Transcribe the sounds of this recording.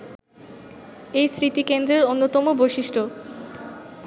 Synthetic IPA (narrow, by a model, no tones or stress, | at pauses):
ejsɾit̪ikend̪ɾeɾonːot̪ɔmobojʃiʃʈʰo